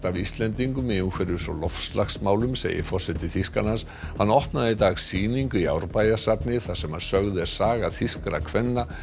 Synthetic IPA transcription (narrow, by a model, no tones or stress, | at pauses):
t̪avist̪lɛnt̪iŋkʏmɛʏŋkʰvɛɾʏsɔ̰lɔfslaxsmaːwlʏmsḛːjɪ̰fɔr̥sɛt̪ɪθiskanans | hanːɔht̪naðɪt̪aːɣsiːniŋkʏia̰wɾpajasat̪nɪθasɛmaðsœɣðɪɛsaːɣaθiskɾa̰kʰvɛnːa